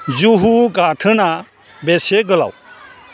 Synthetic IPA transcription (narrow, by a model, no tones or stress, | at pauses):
zuɦuɡatʰɯna | beseɡəla̰w